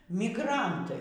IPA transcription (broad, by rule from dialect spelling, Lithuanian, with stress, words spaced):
mʲɪɡˈrɐntɐɪ